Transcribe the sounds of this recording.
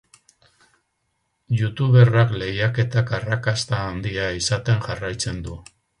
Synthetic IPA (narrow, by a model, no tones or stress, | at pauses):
ʝut̪uβe̞rakle̞ɣjake̞t̪akarakast̪aːnd̪iaisat̪e̞ŋʝarajt͡se̞nd̪u